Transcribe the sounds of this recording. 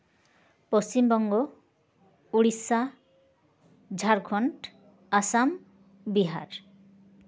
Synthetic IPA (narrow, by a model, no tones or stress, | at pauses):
post͡ʃimbɔŋɡo | uɽisa | d͡ʒʱaɾkʰɔɳʈ | asam | biɦa̰ɾ